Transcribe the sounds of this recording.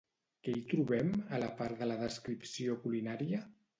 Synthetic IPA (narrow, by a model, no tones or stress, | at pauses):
keit̪ɾuβɛmələpaɾðələðəskɾipsiokulinaɾiə